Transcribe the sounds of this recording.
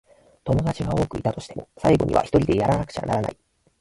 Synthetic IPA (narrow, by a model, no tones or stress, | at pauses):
t̪o̞mo̞d̪at͡ɕiɡao̞ːkɯ̟it̪at̪o̞ɕi̥t̪e̞mo̞saiɡo̞̰ɲ̟ḭβa̰çi̥t̪oɾʲid̪e̞jaɾanakɯ̟̥t͡ɕa̰naɾana̰i